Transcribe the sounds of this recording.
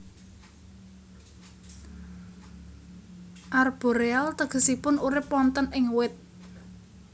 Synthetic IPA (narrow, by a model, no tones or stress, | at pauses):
ʔarb̥o̤ɾealt̪əɡ̥ə̤sipʊnuɾɪpːɔnt̪ənɪŋwɪt̪̚